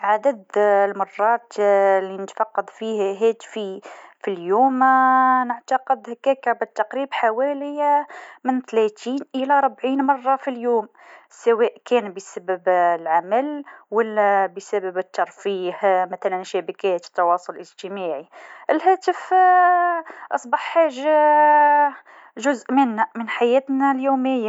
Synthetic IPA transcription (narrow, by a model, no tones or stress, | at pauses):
ʕad̪əd̪lmɑrˤːɑt̪lːinət̪fɑqːɑd̪ˤfihɦæt̪fifiljuːmnəʕt̪ɑqəd̪hækækəbət̪ːɑqɾiːbħawæli | mənt̪læt̪iːnʔəlæɾˤbʕiːnmɑrˤːɑfiljuːm | sæwæʔkænbəjsæbəblʕamælwəlːæbəsæbəbət̪ːɑɾˤfiːhmæt̪ælənʃæbəkæt̪ə̥t̪ːɑwɑsˤʊlʔəʒt̪əmaʕiʔəlɦæt̪əf | ʔɑsˤbɑħħaʒːa | ʒʊzʔmənːæmənħajæt̪næljuməjːa